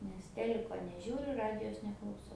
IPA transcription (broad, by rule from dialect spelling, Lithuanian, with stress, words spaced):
nʲɛs ˈtʲæːlʲɪkoː nʲɛˈʒʲuːrʲʊ ˈrɑːdʲɪjoːs nʲɛklˠɐʊˈsɐʊ